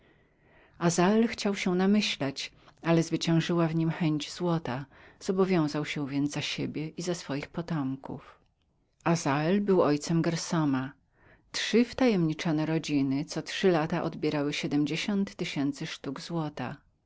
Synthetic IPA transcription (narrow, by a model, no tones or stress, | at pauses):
azaɛlxt͡ɕawɕɛnamɘɕlɛt͡ɕ | alɛzvɘt͡ɕɛ̃w̃ʐɘwavɲimxɛɲd͡ʑzwɔt̪az̥ɔbɔvʲjɔ̃w̃zawɕɛ̃vʲjɛnd̪zaɕebʲjɛʔizasfɔjixpɔt̪ɔmkṵf | azaɛlbɘwɔjt̪sɛmɡɛɾsɔma | tʂɘft̪ajɛmɲit͡ʂɔnɛɾɔd͡ʑinɘt̪sɔtʂɘlat̪aʔɔd̪bʲjɛɾawɘɕɛd̪ɛmd͡ʑeɕɔnt̪ːɘɕɛnt̪sɘʂt̪uɡzwɔt̪a̰